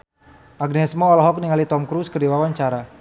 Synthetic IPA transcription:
ʔaɡnɛsmɔːlɦɔk̚niŋalit̪ɔmkɾuskədiwawaɲt͡ʃaɾa

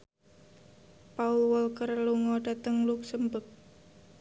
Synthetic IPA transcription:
paulwɔlkərluŋɔɖ̥a̤t̪əŋluk̚səmbək̚

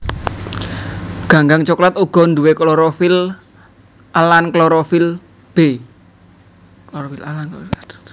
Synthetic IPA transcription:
ɡ̥a̤ŋɡaŋt͡ʃɔklat̪uɡ̥ɔ̤nd̪uweklɔɾofil | alankloɾofil | b̥e | kloɾofilalank

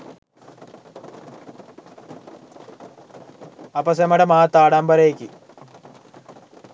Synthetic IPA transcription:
ɐpɐsɐmɐɽɐmaːt̪ːaːɽaːmbɐɾejkːi

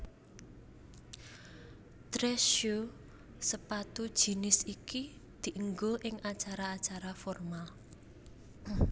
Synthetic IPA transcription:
t̪ɾɛʃo | səpat̪ud̥ʒ̥i̤nɪsikid̪̥i̤ʔəŋɡoʔɪŋʔat͡ʃaɾaːt͡ʃaɾafɔrmal

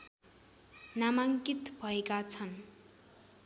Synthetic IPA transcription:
namaŋkit̪bʱʌekat͡sʰʌn

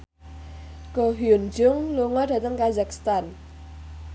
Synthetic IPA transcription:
ɡ̥ɔɦiund͡ʒʊŋluŋɔd̥ä̤t̪əŋkazakst̪an

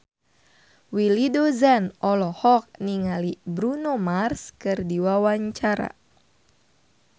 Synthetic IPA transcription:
wilidozanɔlɔhɔk̚niŋalibɾunomarskɨrdiwawaɲt͡ʃaɾa̰

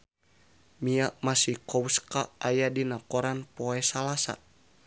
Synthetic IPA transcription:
miaʔmasihkɔwskaajadinakɔɾanpɔɛsalasa̰

